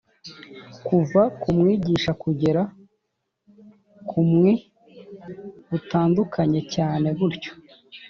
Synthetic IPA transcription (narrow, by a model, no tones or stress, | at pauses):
kuvakumŋiːɟiːʃakuɟe̞ɾa | kʰumŋe | utaːndukʰaɲe̞caːne̞ɡuɾco̥